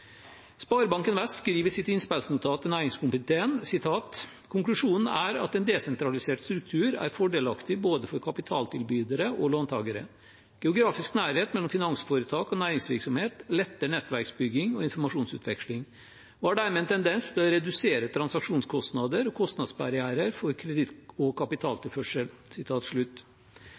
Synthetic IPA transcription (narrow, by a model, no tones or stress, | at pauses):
spɑːɾbɑŋkənʋɛskɾiːʋəsɪt̪ɪnspælsənʊt̪ʰɑːt̪ənæːɾɪŋskʊmpət̪ʰeːnsɪt̪ʰɑːt̪ | kʰʊŋklʉʂuːnn̩æːɾɑ̰t̪ɛnd̪ɛːsɛnt̪ɾɑlɪseːʈst̪ɾʉk̚t̪ʰʉːɾæ̰ːɾfɔɖeːlɑkt̪ɪboːd̪əfɔɾkʰɑpɪt̪ʰɑːlt̪ʰɪlbyːd̪əɾəʔoloːnt̪ʰɑ̰ːɡəɾə̰ | ɡ̥ɛʊɡɾɑːfɪsknæːɾheːt̪mɛlːɔmfɪnɑŋsfoːɾət̪ʰɑːkɔnæːɾɪŋsʋɪɾksɔmheːt̪lɛt̪ːəɳɛt̪ʋæɾksbʏɡːɪŋɔɪnfɔmɑʂuːnsʉ̰ːt̪ʋɛkʂlɪŋ | ʋɑːɖæɾmɛɛnt̪ʰɛnd̪ɛnst̪ʰɪlɔɾɛd̪ʉseːɾət̪ʰɾɑnsɑkʂuːnskʰɔst̪nɑd̪əɾɔkʰɔst̪nɑd̪sbɑɾɪæːɾəɾfɔɾkʰɾɛd̪ɪt̪ɔkʰɑpɪt̪ʰɑːlt̪ʰɪlfœʂəlsɪt̪ʰɑːt̪ʂɭʉt̪ː